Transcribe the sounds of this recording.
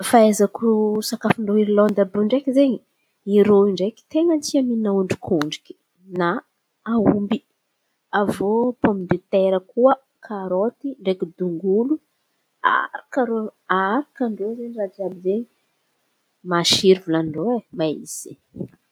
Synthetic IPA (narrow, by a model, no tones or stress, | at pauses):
faezakusakafiɳɖ͡ʐoiɾilɔnd̪abuɳɖ͡ʐekizeɲi | iɾoiɳɖ͡ʐeki̥t̪eŋənt͡siaminauɳɖ͡ʐikʰuɳɖ͡ʐi̥kʲi̥ | na | aumbi | avopomind̪it̪eɾəkuə | kʰaɾot̪iɳɖ͡ʐekid̪uŋɡulu | a̰ɾakaɾoaɾakaɳɖ͡ʐozeɲirat͡sabizeɲi | maʃiɾvulanɖ͡ʐoemaḭz̥i̥